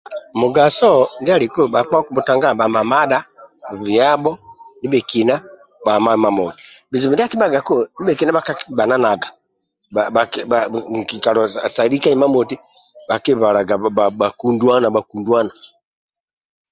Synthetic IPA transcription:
mu˨ɡa˨sɔ˦ŋɡa˦li˨ku˦ba˨fa˦ku˦bu˨ta˨ŋɡa˦ba˨ma˨ma˦da˦˨vi˨a˦bɔ˦ni˦bɛ˨ki˨na˦ | ba˨ma˦˨ma˨mɔ˨ti̥bi˨zi˨mi˨di˦a˦ki˦ba˨ɡa˨ku˦ni˦bɛ˨ki˨na˦ba˨ka˦kiba˨na˦na˨ɡa˨ | aa˨aki˨ka˨lɔ˨sa˨li˦ka˦i˦ma˦mɔ˨ti˦ | ba˨ki˦βa˨la˨ɡa˨a˨ba˨ku˨ndwa˦na˨ba˨ku˨ndwa˦na˨

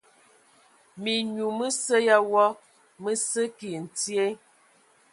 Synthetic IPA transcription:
mi˨ɲu˨mə˦sə˦ja˦wɔ˦ | mə˦sə˦ki˨n̩˨ti˦e˦

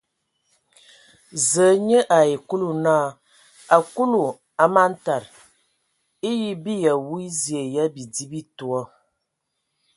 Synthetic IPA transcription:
zə˨˦ɲə˦ʔa˨i˨ku˦lu˨na˦˨ | a˨ku˦lu˨ | a˨ma˦n̩˦ta˨ɾ | i˦ji˦bi˦ja˨wu˦i˦zje˨ja˦bi˨di˦bi˦tu˨ɔ˦

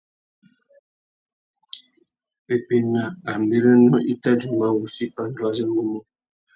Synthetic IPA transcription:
e˨pi˦na˨a˨m˨be˦ɾə˦nɔ˦ʔi˦ta˦d͡ʒu˨m˨a˦wu˨si˦pa˦n̩˦dwa˦zə˦ŋ˦ɡu˦mo˦

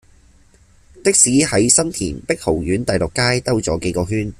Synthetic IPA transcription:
t̪ɪ˥k̚siː˨˥hɐ˨˥jsɐ˥nt̪ʰḭː˨˩npɪ˥k̚ho˨˩wjyː˨˥nt̪ɐ˨jlʊ˨kːaː˥jt̪ɐ˥wt͡sɔː˨˥ke˨˥jkɔː˧ɦyː˥n

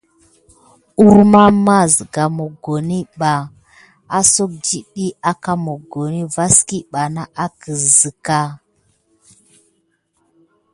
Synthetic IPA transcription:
u˦ɾma˦ɾma˦zɡa˨mo˨ɡo˨ni˦ɓa˨ | a˦so˦k̚d͡ʒi˦ɗi˦a˦ka˦mo˨ɡo˨ni˦va˦ski˦ɓa˨na˦ʔa˦kə˨zə˨ka˦

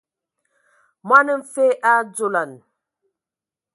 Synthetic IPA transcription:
ma˦nə˦m̩˦fe˦ʔa˦d͡zo˨la˨n

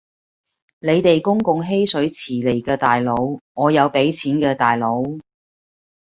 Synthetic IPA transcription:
ne˨˧jt̪e˨jkʊ˥ŋkʊ˨ŋɦe˥jsɵ˨˥ɥt͡sʰiː˨˩le˨˩jkɛː˧t̪aː˨jlo˨˧wŋɔː˨˧jɐ˨˧wpe˨˥jt͡sʰiː˨˥nkɛː˧t̪aː˨jlo˨˧˥w

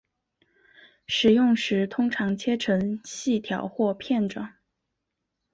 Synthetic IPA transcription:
ʂɻ̩˨˩jʊ˥˩ŋʂɻ̩˧˥t̪ʰʊ˥ŋʈ͡ʂʰɑ˧˥ŋt͡ɕʰjɛ˥ʈ͡ʂʰɤ˧˥ŋɕi˥˩t̪ʰjɑ˨˧˥ʊxwɔ˥˧pʰjɛ˥˩nʈ͡ʂɑ̰˨˩˦ŋ

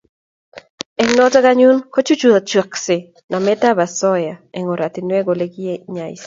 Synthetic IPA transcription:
ɛ˦ŋnɔ˦tɔ˦ɡa˦ɲu˦nko˦t͡ʃu˦t͡ʃu˨a˨t͡ʃwa˨kse˨ | na˨mɛ˦t̪a˦ba˨sɔ˦ja˨e˨ŋo˨ɾa˨t̪i˨nwɛ˦ɡo˨le˦ɡi˦je˦ɲa˨ɪ̰˨s

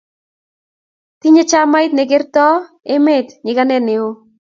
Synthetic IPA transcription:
ti˦ɲe˦t͡ʃa˦majt̪̚neɡe˦rt̪ɔ˦ | e˦me˦t̪ɲɪ˨ɣanɛne˨o˦

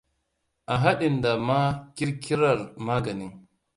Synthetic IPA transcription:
ʔa˨ɦa˦ɗi˨nda˨ma˦ki˦ɾki˦ɾa˨ɾma˦ɡa˨ni˦ŋ

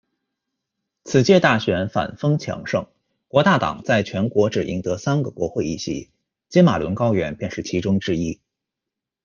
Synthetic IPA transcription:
t͡sʰɹ̩˨˩t͡ɕjɛ˥˧t̪a˥˩ɕɥɛ˧˥nfa̰˨˩nfɤ˥ŋt͡ɕʰjɑ̰˧˥ŋʂɤ˥˩ŋ | kwɔ˧˥t̪a˥˩t̪ɑ̰˨˩ŋt͡sa˥˩ɪt͡ɕʰɥɛ˧˥nkwɔ˧˥ʈ͡ʂɻ̩˨˩ʔḭ˧˥ŋt̪ɤ˧˥sa˥nɡə˨kwɔ˧˥xwe˥˧ɪḭ˥˩ɕḭ˧˥ | t͡ɕjɛ˥ma˨˩lwə̰˧˥nkɑ˥ʊɥɛ˧˥npjɛ˥˧nʂɻ̩˥˩t͡ɕʰi˧˥ʈ͡ʂʊ˥ŋʈ͡ʂɻ̩˥˧i˥

